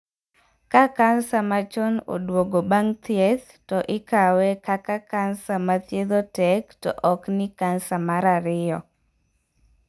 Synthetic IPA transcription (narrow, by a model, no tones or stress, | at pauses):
kakansamat͡ʃɔno̰dwoɡobaŋt̪ɛt̪ | tɔʔɪkawɛkakakansamat̪jeðotɛktɔ̰ʔɔknɪkansamaɾaɾɪɔ